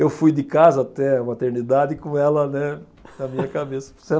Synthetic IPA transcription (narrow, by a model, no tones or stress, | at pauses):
ewfujd̪ɪkazɐat̪ɛũmɐat̪eɾnid̪ad̪ɪkõɛlɐnɛ | nɐmĩɲɐkabesɐ̥se